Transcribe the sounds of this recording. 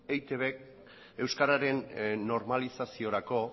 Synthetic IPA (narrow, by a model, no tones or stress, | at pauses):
ejt̪e̞βek | e̞wskaɾaɾe̞nːo̞ɾmalisasio̞ɾako̞